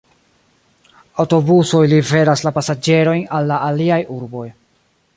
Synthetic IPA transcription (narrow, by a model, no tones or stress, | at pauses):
awto̞buso̞jlive̞ɾaslapasad͡ʒe̞ɾo̞jnalːaʔːliajuɾbo̞j